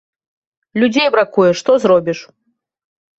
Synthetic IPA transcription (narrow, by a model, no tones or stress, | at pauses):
lʲud͡zʲejbɾakujɛʂt̪ɔzɾɔbʲiʂ